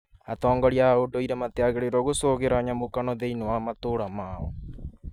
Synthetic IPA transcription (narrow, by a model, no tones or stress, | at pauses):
atɔːŋɡɔɾiaodoiɾɛmateaɣeɾeɾɔɣosoɣeɾaɲamokanɔðeinowamatoɾamaːɔ